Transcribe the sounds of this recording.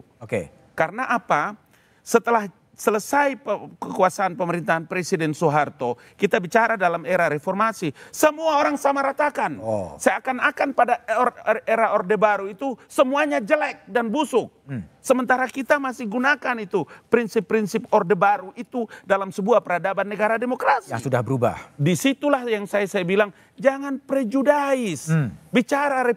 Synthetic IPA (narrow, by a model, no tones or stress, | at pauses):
oke | kaɾənaʔapa | sət̪əlah | sələsajəəkuasaːnpəməɾint̪aɦanpɾesidɛnsuɦart̪o | kit̪abit͡ʃaɾadalameɾaɾefɔrmasisəmuaoɾaŋsamaɾat̪akansajakanakanpada | eɾaɔrdebaɾuit̪usəmuaɲad͡ʒəlɛk̚danbusʊk̚səmənt̪aɾakit̪amasɪhɡunakanit̪upɾinsɪpːɾinsɪpɔrdəbaɾuit̪udalamsəbuapəɾadabannːəɡaɾademokɾasḭsudahbəɾuba̰disit̪ulahjaŋsajasajabilaŋ | d͡ʒaŋanpɾɛd͡ʒudaɪsbit͡ʃaɾaɾe